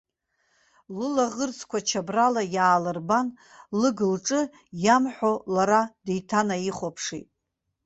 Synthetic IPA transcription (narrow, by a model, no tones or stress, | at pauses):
lɨlaʁərt͡sʰkʷʰat͡ʃʰabralajaːlɨrban | lɨɡɨlʈ͡ʂʼɨ | jamħʷolaɾadejtʰanajiχʷopʰʂḭtʼ